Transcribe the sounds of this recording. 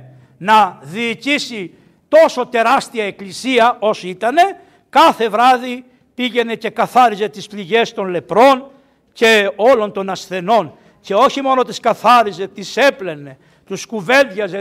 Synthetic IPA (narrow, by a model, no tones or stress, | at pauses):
nɐðiːcisi | t̪o̞so̞t̪e̞ɾɐst̪iɐeklisiɐo̞sit̪ɐne̞ | kɐθe̞vɾɐði | piʝe̞ne̞ce̞kɐθɐɾize̞t̪ispliʝe̞st̪o̞nle̞pɾo̞n | ce̞o̞lo̞nt̪o̞nɐsθe̞no̞n | ce̞o̞çimo̞no̞t̪iskɐθɐɾize̞t̪ise̞plene̞ | t̪uskuve̞ld̪ʝɐz